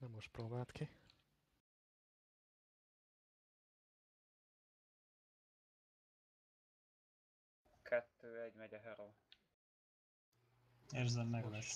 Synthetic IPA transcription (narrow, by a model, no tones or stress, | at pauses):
nɛmːoʃt̪̚proːbaːlt̪ki | kʰɛt̪ːøːɛɟmɛɟɛɦɛɾoː | eːrzɛmːɛɡlɛs